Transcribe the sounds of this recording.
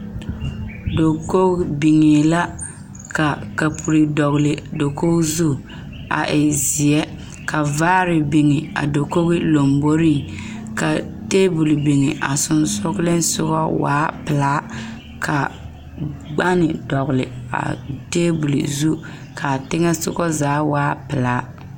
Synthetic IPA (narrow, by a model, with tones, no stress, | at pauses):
do˨ko˦kbi˨ŋe˨la˦ | ka˨ka˨pʰu˨ɾi˨dɔ˨ɣlɪ˨do˨ko˦kzu˦˨ | a̰˨ʔɪ˨zi˨jɛ˦ | ka˨vaː˦ɾɪ˨bi˨ŋɪ˨a̰˨do˨ko˦ɣɪ˦lo˨mbo˦ɾi˦ | ka˨teː˦bu˨lbi˨ŋɪ˨ʔa˨sʊ˨nsʊ˦ɣlɪ˦nsʊ˦ɣɔ˦wa̰ː˦pɪ˨laː˦ | kʰa˨ | ɡ͡ba˦nɪ˨dɔ˨ɣlɪ̰˨a̰˨te˦bu˨lḭ˨zu˦ | kʰa˨tɪ˦ŋɛ˦sʊ̰˦ɣɔ˦zaː˨˦waː˦pɪ˨laː˦